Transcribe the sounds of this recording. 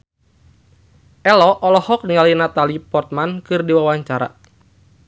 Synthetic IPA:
ʔɛlɔʔɔlɔhɔk̚niŋalinat̪alipɔrt̪̚mankɨrdiwawaɲt͡ʃaɾa̰

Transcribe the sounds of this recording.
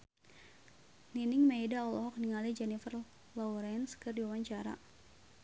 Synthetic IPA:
ninɪŋmejdaɔlɔɦɔk̚niŋalid͡ʒɛnifər | lɔwɾɛnskɨrdiwawaɲt͡ʃaɾa̰

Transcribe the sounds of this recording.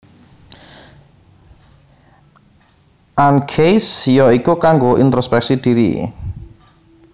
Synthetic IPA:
ʔankʰejsjɔikukaŋɡoʔḭnt̪ɾospɛk̚sid̪̥iɾḭ

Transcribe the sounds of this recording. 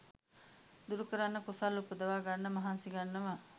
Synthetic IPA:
d̪uɾukəɾanːəkusalːupːud̪ɐʋaːɡanːɐmɐɦansiɡanːɐʋa

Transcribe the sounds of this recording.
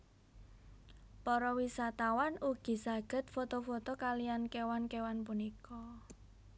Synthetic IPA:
pɔɾɔwisat̪awanuɡ̥i̤sa̤ɡ̥ə̤t̪̚fot̪ofot̪ɔkaliankewankewanpunikɔ

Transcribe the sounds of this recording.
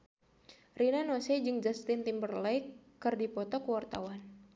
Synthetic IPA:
rinanɔsɛd͡ʒɨŋd͡ʒast̪ɪnt̪imbərlaj | ɨrdipɔt̪ɔkəwart̪a̰wan

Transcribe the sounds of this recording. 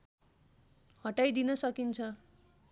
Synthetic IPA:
hʌʈajd̪inʌsʌkint͡sʰʌ

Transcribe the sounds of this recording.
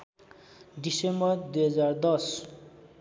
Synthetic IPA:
ɖisembʌrd̪ujɦʌd͡zard̪ʌs

